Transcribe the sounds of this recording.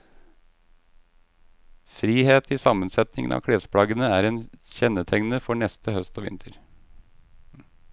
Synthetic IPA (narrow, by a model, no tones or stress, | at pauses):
fɾiːheːt̪ʰiːsɑmənsɛt̪nɪŋənɑ̰ːkʰɽeːspʰɽɑɡənəæːɾeːnçɛnət̪ʰɛŋnəfɔɳɛst̪əhœst̪oːʋɪ̰nt̪ʰəɾ